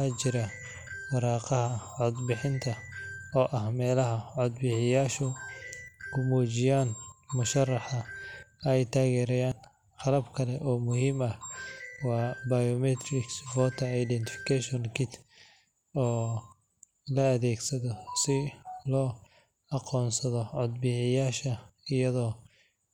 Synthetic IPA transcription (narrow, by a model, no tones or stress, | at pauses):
at͡ʃɪɾɐ | wɑɾɑːqɑɦɐʕɔd̪bɪħɪnt̪ʰɐ | ɔːʔɐhmɛːlɐɦɐʕɔd̪bɪħɪjaːʃɔ | kʰʊmuːt͡ʃɪjaːnmʊʃɐrːɑħɐɛjt̪ʰaːɣɛːɾɛjaːn | qɑlɐbkʰɐlɛʔɔːmʊhiːmɐhwɑːbɐjɔmɛt̪ʰɾɪksfɔːt̪ʰɐajd̪ɛnt̪ʰɪfɪ̥kʰɛʃɔnkʰɪt̪ | ɔː | lɐɐðɛːɡsɐðɔsɪlɔː | ɑqɔːnsɐðɔʕɔd̪̚bɪħɪjaːʃɐɪjɐðɔː